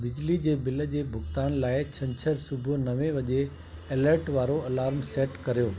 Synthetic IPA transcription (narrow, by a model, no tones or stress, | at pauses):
bɪd͡ʑlid͡ʑeːbɪlə̆d͡ʑeːbʱʊxt̪aːnlaːɪt͡ɕʰɐ̃ɲt͡ɕʰəɾsʊbʱʊ̆nɐʋẽʋɐʄe | eːləɾʈʋaːɾoɐlaːɾmseːʈkɐɾijoː